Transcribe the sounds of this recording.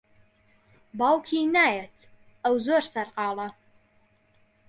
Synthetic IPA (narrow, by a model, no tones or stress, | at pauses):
bɑːwkʰinaːjɛtʰ | ɐwzorsɐrqɑːlɐ